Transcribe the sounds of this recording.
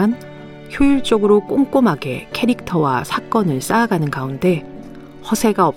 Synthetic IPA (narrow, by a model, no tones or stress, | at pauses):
an | çjoiɭt͡ɕ͈ʌɡɯɾok͈oŋk͈omɦaɡe̞kʰe̞ɾik̚tʰʌwa̰sʰak͈ʌnɯɭs͈aːɡanɯnɡaunde̞ | hʌsʰe̞ɡaʌ